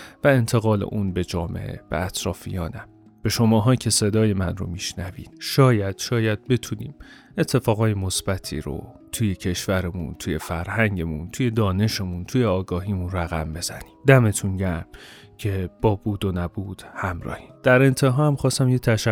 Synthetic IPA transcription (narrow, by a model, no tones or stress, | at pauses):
væe̞nt̪ʰe̞ɣɒːle̞̰ʔunbe̞d͡ʒɒːme̞̰ʔḛb̥ḛæt̪ʰɾɒːfijɒːnæ | b̥e̞ʃo̞mɒːɦɒːcʰe̞se̞d̪ɒːje̞mænro̞̰miʃnævḭːd̪̥ʃɒːjæd̪̥ʃɒːjæd̪̥̚be̞t̪ʰunḭːm | e̞t̪ʰːe̞fɒːɣɒːjemo̞sb̥æt̪ʰḭːɾo̰t̪ʰujecʰe̞ʃvæɾemunt̪ʰuːje̞fæɾhæɲɟe̞munt̪ʰuːje̞d̪ɒːne̞ʃe̞munt̪ʰuːjeɒːɡɒːɦiːmunræɣæ̰mbe̞zæ̰niːmd̪æme̞t̪ʰunɟæɾm | cʰe̞b̥ɒːbuːd̪onæbuːd̪̥hæmɾɒ̰ːhi̥md̪̥æɾe̞nt̪ʰe̞ɦɒːhæmxɒːst̪æmjet̪ʰæʃæ